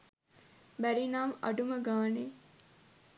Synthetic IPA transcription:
bæɾinaːmɐ̰ɖuməɡaːneː

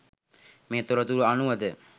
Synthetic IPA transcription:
meːt̪oɾɐt̪uɾuanuʋɐd̪ə

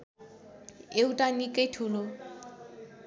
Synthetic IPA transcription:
ewʈanikeʈʰulo

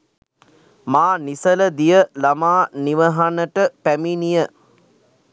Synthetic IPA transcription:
maːnisələd̪ijəlamaːniʋəɦanəʈəpæminijə

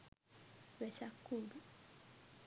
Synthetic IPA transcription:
βɛt͡ʃakʰuːlu

